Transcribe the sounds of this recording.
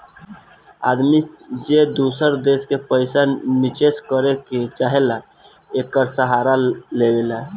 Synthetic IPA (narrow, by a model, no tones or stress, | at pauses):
a̰d̪mid͡ʒed̪usəɾd̪eskepəjsanit͡ʃeskəɾeket͡ʃaɦelaekːəɾsəɦaɾalebela